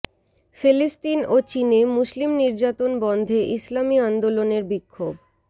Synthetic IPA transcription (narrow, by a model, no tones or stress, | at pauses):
felisʈinot͡ɕinemuslimniɾd͡ʑat̪onbɔnd̪ʱeʔislamiand̪oloneɾbikʰːob